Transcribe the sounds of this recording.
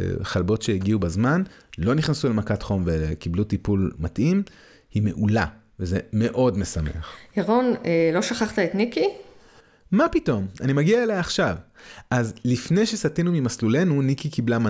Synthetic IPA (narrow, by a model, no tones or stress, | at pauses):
χalbo̞tʃeiɡiubazmanlo̞niχnesulemakatχo̞mvekiblutipulmatʔim | hime̞ʔula | veze̞me̞ʔo̞dmesamḛaχjaʁonelo̞ʃaχaχt̪aet̪niki | mapito̞manimaɡiaelajaχʃavʔazlifne̞jʃesatinumimaslule̞nunikikiblama